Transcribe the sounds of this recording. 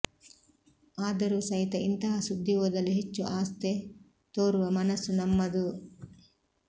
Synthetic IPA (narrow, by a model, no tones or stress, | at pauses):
aːd̪ɐɾusɐɦit̪ɐint̪ɐɦɐsud̪ʱːiʋuːd̪ɐlːiɦet͡ʃːuʔaːst̪e | t̪oːɾuʋɐmɐnɐsːunɐmːɐd̪u